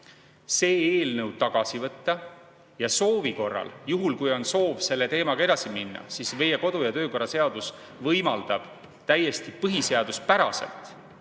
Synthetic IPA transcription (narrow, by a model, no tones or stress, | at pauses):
se̞ːeːlnɤw̪̚t̪ɑɡ̥ɑsivɤt̪ˑːɑ | jɑso̞ːviko̞rːɑ̰ljuɦulkujo̞nso̞ːvse̞lːe̞t̪e̞ːmɑɡ̥ɑe̞d̪ɑsiminːɑ̰sisve̞jeko̞d̪̥ujɑt̪ø̞ːko̞ɾːɑse̞ɑd̪̥us | vɤjmɑld̪ɑb̥ | t̪æjːe̞st̪ipɤɦise̞ɑd̪̥uspæɾɑse̞̰lt̪ˑ